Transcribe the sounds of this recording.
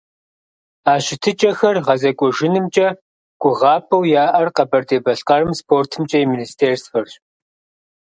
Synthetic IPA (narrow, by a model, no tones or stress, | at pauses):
aːɕɪtʰɨt͡ʃʼɐxɐrʁɐzɐkʷʼɔʒɪnɨmt͡ʃʼɐ | ɡ̥ʷʊʁɑːpʼɐwjaːʔɐrqɐbɐrtʼeːbɐɬqɐɾɨmspʰoːrtʰɨmt͡ʃʼɐjiministʰeːrsfɐrɕ